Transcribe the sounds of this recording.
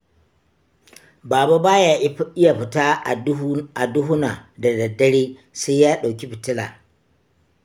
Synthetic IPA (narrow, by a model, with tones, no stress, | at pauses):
baː˨ba˦baː˦ja˦ɪ˦ja˨ɸɪ˨taː˦˨a˨dʊ˦ɦʊ˦na˨da˨dɐ˨dːɐ˦ɽiː˦ | sa˦jjaː˦ɗa˨wkʲi˦ɸɪ˨tɪ˦la̰ː˨